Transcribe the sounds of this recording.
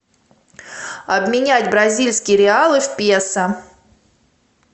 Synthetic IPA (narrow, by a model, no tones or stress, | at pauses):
ɐbmʲɪnʲætʲbɾɐzʲilʲsʲkʲɪjəɾʲɪalˠɨfʲpʲesə